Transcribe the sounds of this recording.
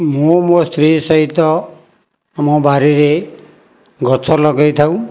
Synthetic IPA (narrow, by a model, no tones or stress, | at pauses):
momost̪ɾisɔɦit̪ɔ | amɔbaɾiɾe | ɡʱɔt͡ʃʰɔlɔɡajt̪ʰaw̃